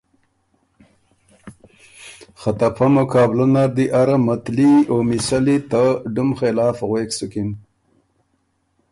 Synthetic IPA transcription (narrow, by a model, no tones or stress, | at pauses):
xat̪apʰamʊkɑːblunaɾd̪iʔaɾamat̪liomisalit̪əɖumxelɑːfɣweːksʊkin